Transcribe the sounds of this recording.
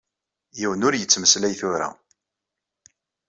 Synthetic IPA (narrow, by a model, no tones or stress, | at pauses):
jiwənʊɾjət͡sːməslæjθʊɾa̰